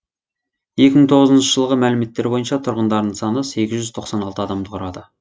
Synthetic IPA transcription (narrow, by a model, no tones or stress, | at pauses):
je̞kʲɪməɴt̪ʰo̞ʁəzənʃəʒ̥əlˠʁəmælɪme̞t̪ːe̞ɾbo̞jənʃɑt̪ʰʊɾʁənd̪ɑɾd̪əɴsɑnəse̞kʲɪzʒʏz̥t̪ʰo̞qsɑnɑlˠt̪əɑd̪ɑmd̪əqʰʊɾɑd̪ə